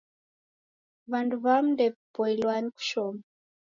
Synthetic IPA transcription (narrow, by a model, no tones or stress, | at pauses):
βanduβam̩ndɛpɔilwaɲiku̥ʃɔma